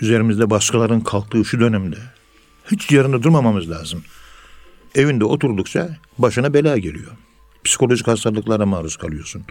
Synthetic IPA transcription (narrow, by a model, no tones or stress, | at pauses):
yze̞ɾimizd̪ɛbaʃkʰalˠaɾɯnkʰalˠk̚t̪ʰːɯːʃud̪ø̞nɛmd̪ɛ | hit͡ʃ̪ijaɾɯnd̪ad̪uɾmamamɯzlʲaːzɯm | e̞vind̪ɛo̞t̪ʰuɾd̪ukt͡ʃʰa | baʃɯnabelʲaːɟe̞lʲḭjo̞ | pʰsi̥kʰo̞lʲo̞ʒichast̪aɾlˠɯklˠaɾamaːɾuskʰalˠɯjo̞ɾsun